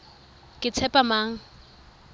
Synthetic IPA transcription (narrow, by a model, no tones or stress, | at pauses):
kʼɪt͡sʰɛpʼamaːŋ̩